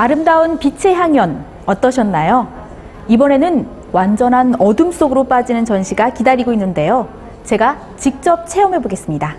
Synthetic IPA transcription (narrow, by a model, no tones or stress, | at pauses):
aɾɯmdaunpit͡ɕʰe̞ɦjaŋjʌn | ʌt͈ʌɕʰʌnːajo | ibʌne̞nɯn | wand͡ʑʌnɦanʌdɯms͈oɡɯɾop͈ad͡ʑinɯnt͡ɕʌnɕʰiɡakidaɾiɡoinːɯnde̞jo | t͡ɕe̞ɡa | t͡ɕik̚t͡ɕ͈ʌp̚t͡ɕʰe̞ʌmɦeboɡe̞s͈ɯmɲida